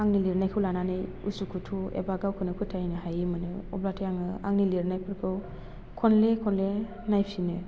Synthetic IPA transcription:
aŋniliɾnajkʰɯwlananɯj | ṵsukʰutʰuḛbaɡawkʰɯnɯkʰɯtʰajnɯhajimɯnɯɔ̰blatʰɯjaŋɯa̰ŋniliɾnajpʰɯɾkʰɯw | kʰɔnlekʰɔnle | najpʰinɯ

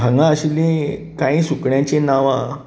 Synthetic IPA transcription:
aŋɡãəɕilĩkãĩːsukɳjãt͡ɕenaʋã

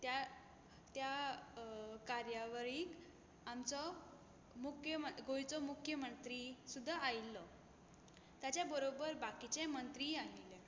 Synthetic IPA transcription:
t̪ja | t̪ja | kaɾjaʋəɾiːk | amt͡sɔ | mukʰjəməɡojt͡sɔmukʰjəmənt̪ɾiːsud̪ʱːaajlːɔ | t̪jat͡ɕjabəɾobəɾbakit͡ɕɛmənt̪ɾiaɦilɛ

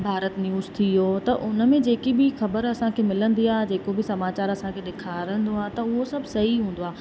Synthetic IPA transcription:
bʱaːɾət̪njuːzt̪ʰijot̪ɐʔʊnə̆mẽd͡ʑeːkibʱɪxɐbəɾɐsãkʰeːmɪlə̃nd̪iaːɦd͡ʑeːkobɪsɐmaːt͡ɕaːɾɐsãkʰeɗekʰaːɾə̃nd̪oaːɦt̪ɐʊɦosɐbʱsɐɦiɦũːn̆d̪oaː

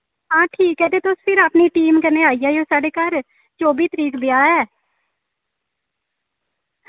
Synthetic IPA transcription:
ãːʈʰiːkːɛːd̪eːt̪ospʰɪɾaːpniːʈiːmkəneːaːiːaːjoːsaːɖeːkaːɾ | t͡ʃoːbiːt̪əɾiːkd̪ɪaːɛː

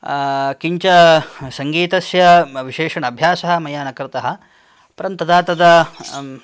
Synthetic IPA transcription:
kiɲt͡ʃɐsɐŋɡiːt̪ɐsjɐʋiʃeːʂɐɳɐbʱjaːsɐɦɐ̆mɐjaːnɐkɾɪt̪ɐɦɐ | pɐɾɐnt̪ɐd̪aːt̪ɐd̪ɐ

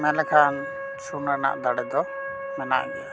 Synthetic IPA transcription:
mɛlɛkʰan | sunɾɛna̰ʔd̪aɽɛd̪ɔ | mɛna̰ʔɡɛa

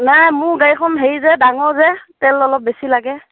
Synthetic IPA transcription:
najmʊɹɡajkʰɔnɦeɹjzɛdaŋɔɹzɛtɛlɔlɔp̚besilaɡɛ

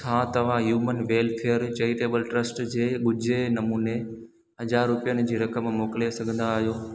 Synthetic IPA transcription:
sʰãt̪ɐʋ̤ãɦjuːmənʋeːlpʰeəɾt͡ɕɐiʈeːbəlʈɾəsʈd͡ʑeːɓʊd͡ʑʱenɐmuːne | ɦɐzaːɾːʊpijənɪ̆d͡ʑiːɾɐkəmːoːkɪlesɐɡʱə̃nd̪aːɦijoː

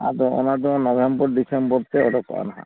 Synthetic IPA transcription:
a̰d̪ɔɔ̰nad̪ɔɔnɔbʱembɔɾɖisembɔɾt̪ɛɔɾɔkɔ̰a̰naɦã̰

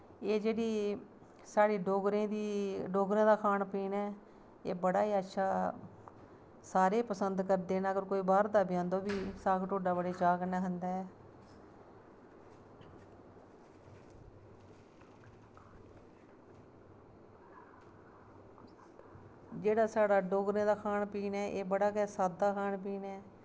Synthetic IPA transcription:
eːd͡ʒeːɽiː | saːɽiːɖoːɡɾẽːd̪iːɖoːɡɾãːd̪aːkʰaːnpiːnɛː | ḛːbəɽaːiːətːʃʰaː | saːɾeːpəsənd̪kəɾd̪eːnaːɡəɾkoːiːbaːɾd̪aːbɪjãːnd̪õːbiːsaːkʈoːɖaːbəɽeːt͡ʃaːɡnɛ̃ːɦənd̪aːɛː | d͡ʒeːɽaːsaːɽaːɖoːɡɾẽːd̪aːkʰaːnpiːnɛːʔeːbəɽaːkɛːsaːd̪aːkʰaːɳpiːnɛː

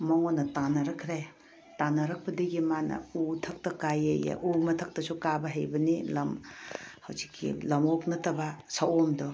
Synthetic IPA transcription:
mɐŋonːɐtanɐɾɐkʰɾej | tanɐɾɐk̚pɐdɐɡimanɐ̰utʰɐk̚tɐkajḛja̰ʔumɐtʰɐk̚tɐsukabɐɦɐjbɐnilɐmhɐwzikʰːḭlɐmoknɐtɐbɐsɐwomdo

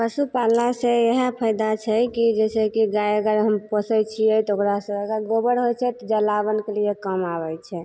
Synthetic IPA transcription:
pəsupalaseeɦəpʰəjd̪at͡ʃʰɛkid͡ʒɛsɛkiɡajəɡəɾɦəmpəsəjt͡ʃʰiɛt̪ɔokɾasəbəɡəɡobəɾɦojt͡ʃʰɛt̪ɔd͡ʒəlabənkeliekəmabɛt͡ʃʰɛ

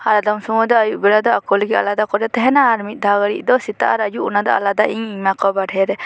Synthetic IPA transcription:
haɾad̪ɔmsumɔd̪ɔəjuʔbiɽad̪ɔakɔlɛɡia̰lad̪akɔɾɛt̪ɛɦɛnaːɾmit̪̚ˀd̪ʱaɡəɽḭʔˀd̪ɔsit̪a̰ʔaɾəjuʔunad̪ɔ̰a̰lad̪aʔiɲiɲmakɔbaɖʱɛɾɛ

